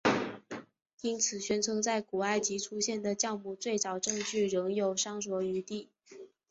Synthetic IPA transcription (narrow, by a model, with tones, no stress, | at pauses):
i˥nt͡sʰɹ̩˨˩ɕɥɛ˧˥nʈ͡ʂʰɤ˧˥ŋt͡sa˥˩ɪku˨˩a˥˩ɪt͡ɕi˧˥ʈ͡ʂʰu˥ɕjɛ˥˩nd̪ə˩t͡ɕjɑ˥˧ʊmu˥˧t͡swe˥˩ɪt͡sɑ˨˩ʊʈ͡ʂɤ˥˧ŋʈ͡ʂy˥˩ɻɤ˧˥ŋjo˨˩ʊʂɑ˥ŋswɔ˧˥y˧˥t̪i˥˩